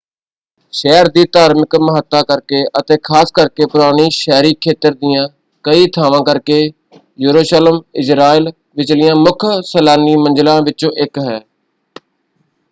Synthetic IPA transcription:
ʃɛːɾd̪iːt̪aːɾmɪkməɦət̪ːaːkəɾkeːʔət̪eːkʰaːskəɾkeːpʊɾaːñiːʃɛːɾiːkʰeːt̪əɾd̪ɪjãː | kəiːt̪ʰaːʋãːkəɾkeː | juːɾoːʃaːləmɪd͡ʒɾaːiːl | ʋɪt͡ʃlɪjãːmʊkʰsəlaːniːmə̃nd͡ʒlãːʋɪt͡ʃõːʔɪkɦɛː

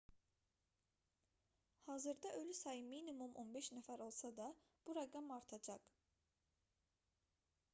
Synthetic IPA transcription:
hɑːzɯɾd̪ɑʔø̞lysɑjɯminimumʔo̞nbeʃnæfæɾo̞lˠsɑd̪ɑ | b̥uɾaɡɑmɑɾt̪ʰɑd͡ʒɑq

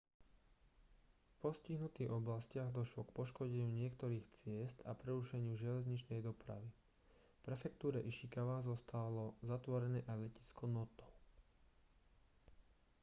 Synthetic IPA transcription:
fpɔsciɦnut̪iːɣɔblascɪaɣd̪ɔʃlɔkpɔʃkɔɟɛɲɪuːɲɪɛkt̪ɔɾiːxt͡sɪɛst̪a̰pɾɛɾuʃɛɲɪuʒɪɛlɛzɲit͡ʃnɛjd̪ɔpɾa̰ʋi | pɾɛfɛkt̪uːɾɛʔiʃikaʋazɔst̪alɔzat̪ʋɔɾɛnɛːʔalɛci̥skɔnɔt̪ɔ

